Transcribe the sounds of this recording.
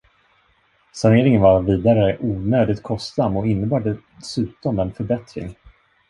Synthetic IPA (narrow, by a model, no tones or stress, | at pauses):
saneːɾɪŋənvaɾviːd̪aɾəʔuːnøːd̪ɪt̪̚kʰɔst̪samːɔɪnːəbɑːɖɛ | sʉ̟ːt̪ɔmɛnfœɾbɛt̪ɾɪ̰ŋ